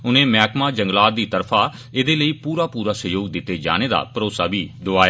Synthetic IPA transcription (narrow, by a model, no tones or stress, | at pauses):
ʊnẽːmɛːkmãːd͡ʒəŋɡlaːt̪d̪iːt̪əɾpʰaː | ɪd̪eːləiːpuːɾaːpuːɾaːsəjoːɡd̪ɪt̪ːeːd͡ʒa̰ːneːd̪a̰ːpəɾoːsaːbiːɖʊaːja